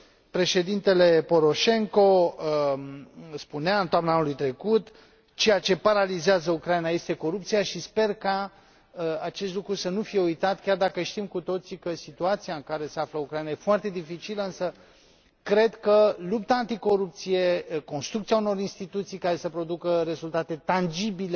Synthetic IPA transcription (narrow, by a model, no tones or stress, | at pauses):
pɾe̞ʃe̞d̪int̪e̞le̞po̞ɾo̞ʃe̞ŋko̞ | spuneaɨnt̪oamnaanulujt̪ɾe̞kut̪ | t͡ʃe̞jat͡ʃe̞paɾalizeazəukɾainaje̞st̪e̞ko̞ɾupt̪sijaʃispe̞rka | əat͡ʃe̞st̪lukɾusənufije̞ujt̪at̪kʲard̪akəʃt̪imkut̪o̞t̪sikəsit̪uat̪sijaɨŋkaɾe̞se̞afləukɾajnajefoart̪e̞d̪ifit͡ʃiləɨnsə | kɾe̞d̪kəlup̚t̪aːnt̪iko̞ɾup̚t̪sije̞ko̞nst̪ɾukt̪siauno̞ɾinst̪it̪ut̪sijkaɾe̞səpɾo̞d̪ukəɾe̞zult̪at̪e̞t̪and͡ʒibile